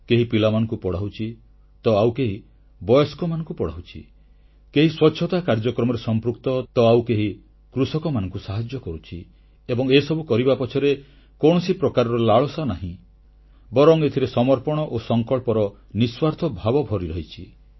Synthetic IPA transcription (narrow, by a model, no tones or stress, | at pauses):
keɦipilamanɔ̃ŋkupɔɽaɦut͡ʃʰi | t̪ɔawkeɦi | bɔjɔskɔmanɔ̃ŋkupɔɽ̤aɦut͡ʃʰḭ | keɦiswɔtːt͡ʃʰʃʰɔt̪akaɾd͡ʒɔkɾɔmɔɾesɔmpɾukt̪ɔt̪ɔawkeɦi | kɾusɔkɔmanɔ̃ŋkusaɦad͡ʒjɔkɔɾut͡ʃʰi | ebɔŋesɔbukɔɾibapɔt͡ʃʰɔɾe | koɳ̃ɔsipɾɔkaɾɔɾɔlaɭɔsɔnaɦĩ | bɔɾɔŋet̪ʰiɾesɔmɔɾpɔɽ̃ɔʔosɔŋkɔɭpɔɾɔ | niswaɾt̪ʰɔbʱabɔbʱɔɾiɾɔɦit͡ʃʰi